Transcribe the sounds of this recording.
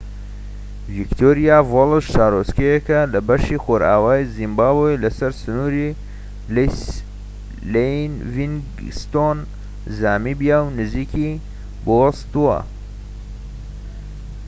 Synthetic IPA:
vikt̪ʰoɾijavolɨʃʃaːɾoskejɛkɐlɐbɐʃixoɾa̰ːwaːjzimbaːbojlɐsɐɾsɨnuːɾi | l | lenvin | st̪on | zaːmibijawnɨziːkʰi | bowɐst̪uwɐ̰

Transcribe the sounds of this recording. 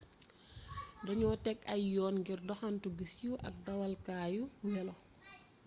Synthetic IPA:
dɐɲɔːtɛkɐjjɔːnɡirdɔxantuɡisjuʔɐ̰k̚dɐwalkaːjuwɛlɔ

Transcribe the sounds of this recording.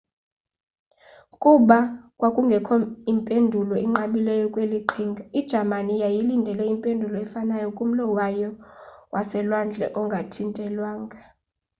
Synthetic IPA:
kʼuɓakʼwakʼuŋɡʱɛkʰɔimpʼendʱulɔiŋ͡ǁaɓilɛjɔkʼweliǃʰiŋɡʱaid̥ʒ̥ʱamanijajilindʱɛlɛimpʼendʱulɔɛfanajɔkʼum̩lɔwajɔwasɛlwand͡ɮʱɛ̰ʔɔŋɡʱatʰintʼɛlwaːŋɡʱa

